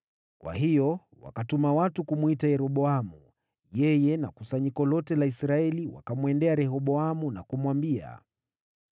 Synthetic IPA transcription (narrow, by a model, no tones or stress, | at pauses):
kwa̰ɦijɔ | wa̰katumawatukumuitajɛɾɔɓɔamu | jɛjɛna̰kusaɲikɔlɔtɛlaisɾaɛliwa̰kamwɛndɛaɾɛɦɔɓɔamunakumwambia̰